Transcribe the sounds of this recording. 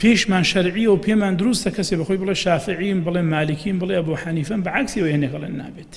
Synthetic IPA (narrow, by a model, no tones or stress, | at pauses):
pʰeʃmaːnʃɐɾʕijɐwpʰeːmaːnd̪ʊɾust̪ɐkʰɐseːbɐxoːjbɨlˠeːʃaːfɨʕinbɨlemaːlɨkʰimbɨlˠeɐboħaniːfɐnbɐʕaksiwejhɐnekɐlˠḛːnːa̰ːbet̪